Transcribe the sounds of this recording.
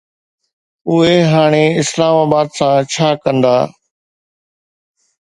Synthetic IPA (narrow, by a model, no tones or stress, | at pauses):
ʊɦeɦaːɽ̃eɪslaːmaːbaːd̪sãːt͡ʃʰaːkə̃nd̪a̰ː